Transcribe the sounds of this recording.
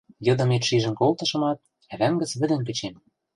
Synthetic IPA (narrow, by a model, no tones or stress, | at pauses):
jɤ̆d̪ɤ̆met̪ʃiʒə̆mkolt̪ɤ̆ʃɤ̆mɑt̪̚ | æβæŋɡə̆t͡sβɘ̆d̪ə̆mkɘ̆t͡ɕem